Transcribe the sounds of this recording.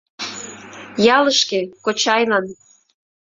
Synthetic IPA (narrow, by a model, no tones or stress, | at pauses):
jɑləʃkĕkot͡ɕɑjlɑn